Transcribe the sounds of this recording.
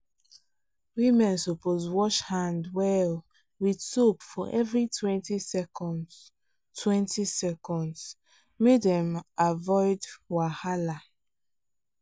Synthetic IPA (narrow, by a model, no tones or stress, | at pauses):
wimɛ̃nsoposwɔʃhãndwɛl | widsopfɔʔɛvɹitʰwɛ̃ntisɛkɔ̃nds | tʰwɛ̃ntʰisɛkɔ̃nds | medɛ̃mavɔɪdwahala